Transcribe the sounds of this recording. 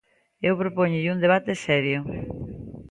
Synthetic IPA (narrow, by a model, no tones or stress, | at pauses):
ewpɾopoɲʊʎund̪eβ̞at̪esɛɾjo